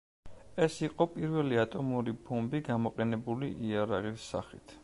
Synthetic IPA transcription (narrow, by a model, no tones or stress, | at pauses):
ɛsiqʼɔpʼiɾvɛliat̪ʼɔmuɾibɔmbiɡamɔqʼɛnɛbuliʔiaɾaʁisːa̰χit̪ʰ